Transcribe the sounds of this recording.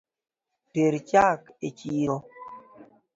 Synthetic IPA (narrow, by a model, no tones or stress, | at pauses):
peɾt͡ʃaket͡ʃiɾo